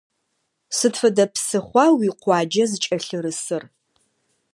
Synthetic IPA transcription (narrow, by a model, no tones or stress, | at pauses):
sɨtfɐdɐpsɨχʷɑwiqʷɑːd͡ʒɐzɨt͡ʃʼɐɬɨɾɨsɨr